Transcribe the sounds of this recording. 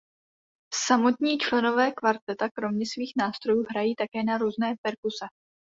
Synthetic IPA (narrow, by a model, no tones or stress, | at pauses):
samo̞t̪ɲiːt͡ʃlɛno̞vɛːkvaɾt̪ɛt̪akɾo̞mɲɛsviːxnaːst̪ɾo̞juːɦɾajiːt̪akɛːnaɾuːznɛːpɛɾkusɛ